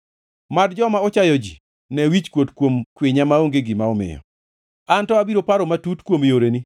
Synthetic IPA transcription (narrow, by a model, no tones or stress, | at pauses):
madd͡ʒɔmaɔt͡ʃajɔd͡ʒi | nɛwit͡ʃkwotkwomkweɲamaoŋɡeɡimaɔmɪ̰jɔ̰ | antɔabiɾopaɾɔmatutkwomjoɾeni